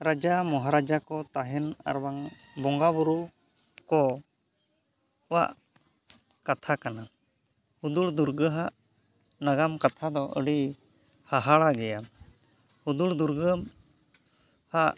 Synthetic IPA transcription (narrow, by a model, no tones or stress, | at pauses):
ɾad͡ʒamɔɦaɾad͡ʒakɔt̪aɦɛna̰ɾwaŋ | bɔŋɡabuɾu | kɔ | wa̰ʔ | kat̪ʰakana | hud̪uɭd̪uɾɡəɦaʔ | naɡamkat̪ʰad̪ɔʔəɽi | haɦaɭaɡɛja | hud̪uɽd̪uɾɡəm | haʔ